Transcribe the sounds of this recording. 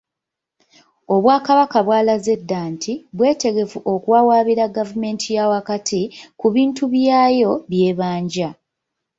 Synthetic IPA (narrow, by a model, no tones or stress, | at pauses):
o̞βwaːkaβakaβwaːlaze̞dːaːntʰiβwe̞ːte̞ɡe̞fuʔo̞kuwawaːβiɾaɡavume̞ːntʰijawakatʰikuβiːntuβjaːjo̞βje̞ːβaːɲɟa